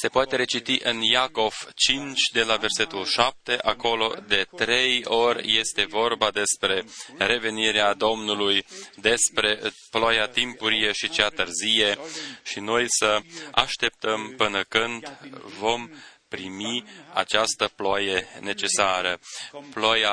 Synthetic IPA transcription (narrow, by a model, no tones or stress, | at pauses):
se̞poat̪e̞ɾe̞t͡ʃit̪iʔɨnjako̞v̥t͡ʃint͡ʃʲd̪e̞lave̞rse̞t̪ulʃap̚t̪e̞ʔako̞lo̞̰d̪e̞t̪ɾe̞jo̞rʲje̞st̪e̞vo̞rbad̪e̞spɾe̞ɾe̞ve̞niɾead̪o̞mnulujd̪e̞spɾe̞plajat̪impuɾije̞ʃit͡ʃeat̪ɨrzije̞ʃino̞jsəa̰ʃt̪e̞p̚t̪əmpɨnəkɨnd̪vo̞mpɾimia̰t͡ʃast̪əplaje̞ne̞t͡ʃe̞saɾəplaja